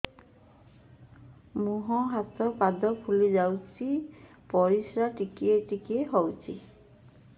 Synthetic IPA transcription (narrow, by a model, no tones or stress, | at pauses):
muɦɔɦat̪ɔpad̪ɔpʰulid͡ʒawt͡ʃʰi | pɔɾisɾaʈikieʈikieɦɔwt͡ʃʰi